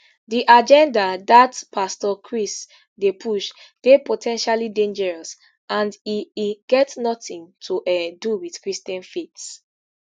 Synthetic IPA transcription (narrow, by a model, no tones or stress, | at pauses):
diʔad͡ʒɛ̃ndadatpastɔkʰɹis | depʰuʃ | d̥epotʰɛ̃nʃalidẽnd͡ʒɛɹɔs | ãndiiɡ̥ɛtnɔtĩŋtʰuʔɛduwiθkɹistɛ̃nfits